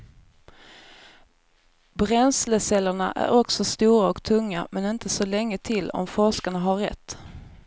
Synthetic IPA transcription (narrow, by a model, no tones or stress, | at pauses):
bɾɛnsləsɛlːəɳaʔæ̰ɾɔksɔst̪uːɾaɔkt̪ʰɵŋːamɛnɪnt̪ʰəsɔlɛŋːət̪ʰɪlːɔ̰mfɔʂkaɳaɦaɾɛ̰t̪ː